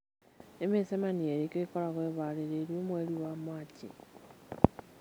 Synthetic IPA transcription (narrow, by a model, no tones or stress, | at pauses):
emisemanielikekolaxweβaleleljomweliwamwaːcḭ